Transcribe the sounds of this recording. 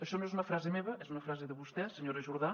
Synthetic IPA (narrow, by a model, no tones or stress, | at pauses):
əʃɔnwɛzunɐfɾazemeβəɛzunɐfɾazeðəβust̪ɛsəɲoɾəʒuɾða